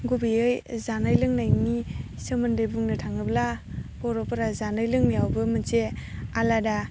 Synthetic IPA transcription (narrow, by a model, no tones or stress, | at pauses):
ɡubiɯjzanajlɯŋnajni | sɯmɯndejbuŋnɯtʰaŋɯblabɔɾɔpɯɾazanɯjlɯŋniawbɯmɯnt͡ʃealada